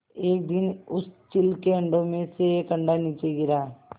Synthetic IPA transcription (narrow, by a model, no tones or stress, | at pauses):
eːk̚d̪ɪnʊst͡ʃɪlkeɐ̃ɳɖõmẽsekə̃ɳɖaniːt͡ʃeɡɪɾaː